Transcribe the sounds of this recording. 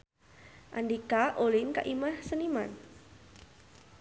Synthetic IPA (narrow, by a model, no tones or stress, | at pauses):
ʔa̰ndikaʔolinka̰ʔimahsənima̰n